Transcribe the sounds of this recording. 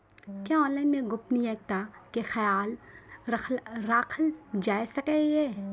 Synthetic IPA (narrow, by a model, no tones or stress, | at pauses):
kjaːɔːlẽmẽɡʊpniɛk̚t̪akexɐjaːlʰ | ɾaːkʰld͡ʒaːesɐkejeː